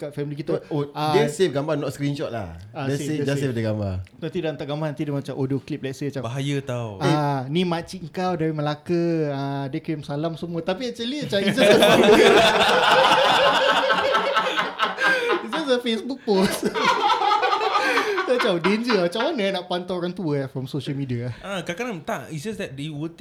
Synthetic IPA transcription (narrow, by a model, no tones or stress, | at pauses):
kafɛmilik̬it̪uoadɛsefɡambanɔt̪skɾinʃɔt̪̚la̰haɛeed͡ʒd͡ʒassefdəɡamba̰nant̪idant̪aʔɡambarnant̪idamat͡ʃamʔodoklip̚lɛʔsəat͡ʃabaɦajət̪awnimãt͡ʃiʔəŋkawdaɾiməlakəadəkəmsalamsəmuat̪apiat͡ʃəliat͡ʃaid͡ʒasdəfa | it̚d͡ʒasdəfesbuk̚pos | tat͡ʃawdeɲd͡ʒəmat͡ʃamanənaʔpant̪aoɾaŋt̪uəfɾɔmsoʃəlmidiaakakanãmt̪aʔitd͡ʒasdɛt̚dewut̪